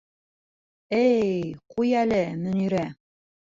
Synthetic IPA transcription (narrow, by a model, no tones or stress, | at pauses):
ɘjqujælɘmɵ̆niɾæ